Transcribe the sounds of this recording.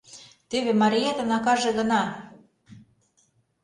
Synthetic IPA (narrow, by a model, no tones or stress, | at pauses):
t̪eβĕmɑɾʲijet̪ə̆nɑkɑʒĕɣə̆nɑ